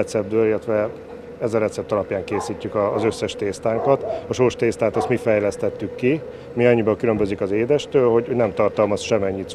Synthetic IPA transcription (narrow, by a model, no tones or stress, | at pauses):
ɛt̪sɛb̚d̪øːlilːɛt̪ʋɛ | ɛzɒɾɛt̪sɛp̚t̪ɒlɒpjaːŋkeːsiːcːykɒːzø̞sːɛʃt̪eːst̪aːŋkɒt̪ɒʃorʃt̪eːst̪aːt̪ɒst̪mifɛjlɛst̪ɛt̪ːykːi | miɒɲːibɒŋkylø̞mbø̞zikɒzeːd̪ɛʃt̪øːlho̞ɟho̞ɟnɛmt̪ɒrt̪ɒlmɒsʃɛmɛɲːit̪